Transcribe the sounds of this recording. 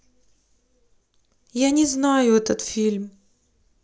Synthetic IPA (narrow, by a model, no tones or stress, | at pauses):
janʲɪznajʊɛt̪ət̪fʲilʲm